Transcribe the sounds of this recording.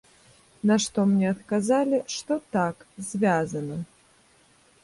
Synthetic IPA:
naʂt̪ɔmnʲɛɐt̪kazalʲiʂt̪ɔt̪akzʲvʲazɐnɐ

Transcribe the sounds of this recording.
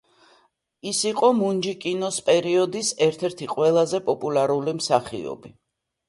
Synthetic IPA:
isiqʼɔmund͡ʒikʼinɔspʼɛɾiɔd̪isɛɾt̪ʰɛɾt̪ʰiqʼwɛlˠazɛpʼɔpʼulaɾulimsaχḭɔ̰bi

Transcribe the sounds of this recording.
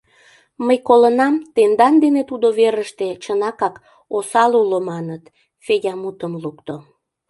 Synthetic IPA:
məjkolənɑmt̪end̪ɑnd̪enet̪ud̪oβeɾəʃt̪et͡ɕənɑkɑk | osɑlulomɑnət̪ | fejʲɑmut̪əmlukt̪o

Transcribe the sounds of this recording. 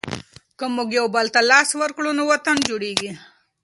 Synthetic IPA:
kəmuɡjawbalt̪alɑːswəɾkɽonowat̪and͡ʒuɽeɡi

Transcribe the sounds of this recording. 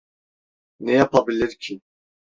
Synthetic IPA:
nejapabileɾkʰi

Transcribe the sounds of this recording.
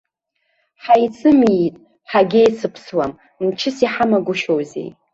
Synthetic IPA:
ħajt͡sʰʼɨmitʼ | ħaɡʲejt͡sʰɨpʰswam | mt͡ʃʰɪsiħamaɡʷʊʃowzḛj

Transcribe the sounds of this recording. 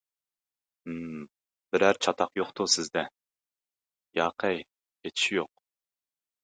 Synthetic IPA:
b̥ɪɾæɾt͡ʃʰɑt̪ʰɑqjoqt̪ʰʊsɪzd̪ɛ | jɑːqʰəj | et̪ʰʃijoq̚

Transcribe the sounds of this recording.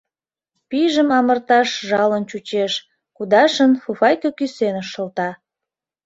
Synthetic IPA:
piʒəmɑmərt̪ɑʃʒɑlənt͡ɕut͡ɕeʃ | kud̪ɑʃənfufɑjkəkysenəʃə̆lt̪ɑ

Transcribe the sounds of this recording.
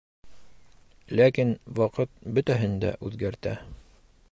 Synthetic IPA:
lækinwɒqɤt̪̚bɵt̪æɦɘnd̪æ̰ʔʉðɡæɾt̪æ

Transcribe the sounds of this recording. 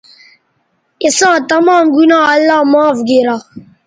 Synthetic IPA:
isãːt̪ɐmaːmɡunaːɐlːaːmaːfɡeɾa

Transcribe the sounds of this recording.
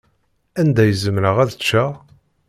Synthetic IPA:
ænd̪æjəzəmɾəʁæðt͡ʃːæ

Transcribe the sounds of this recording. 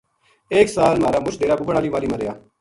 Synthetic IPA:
eːksaːlmaːɾaːmʊt͡ʃʰd̪eːɾaːbuːbəɳaːliːʋaːliːməɾɪjaː

